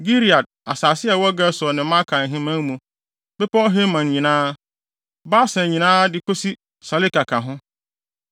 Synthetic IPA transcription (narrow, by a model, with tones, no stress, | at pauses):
ɡi˦ɾi˨a˨d̚a˨saː˨sɪ˦ɛ˨wɔ˦ɡa˦sɔ˨nɪ̃˨mã˦kʰa˨n̩˨ɦɪ̃˦mã˦ŋ˦mũ˨ | bɛ˦pʰɔ˦ɦe˦mã˨n˨ɲĩ˨nãː˦ | ba˦sɛ̃˨ɲĩ˨nãː˦dɪ˦kʰo˦si˦ | sa˨li˦ka˨kʰa˨ɦʊ̃˦